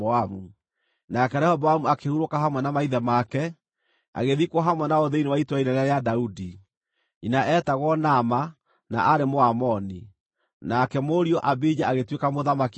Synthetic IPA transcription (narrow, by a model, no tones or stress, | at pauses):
amu | nakɛɾɛhɔbɔamuakehuɾokaɦamwɛnamaiðɛmakɛ | a̰ɣeðikwɔɦamwɛnaoðeinewaitwainaɾaɾeadaudi | inaʔɛtaɣwɔnama | na̰ʔaɾemoamɔni | nakɛmoɾiɔʔabid͡ʒaaɣetwekamoðamak